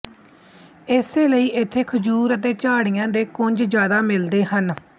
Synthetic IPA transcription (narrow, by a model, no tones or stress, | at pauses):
ɪseːləiːʔɪt̪ʰːeːkʰəd͡ʒuːɾət̪̬eːt͡ʃaːɽɪjãːd̪eːkʊɲd͡ʒd͡ʒjaːd̪aːmɪld̪eːɦən